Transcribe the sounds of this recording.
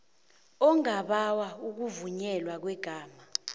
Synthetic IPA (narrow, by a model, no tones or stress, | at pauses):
ɔŋaɓawauk̬uvuɲɛlwak̬wɛɡ̥ʱaːma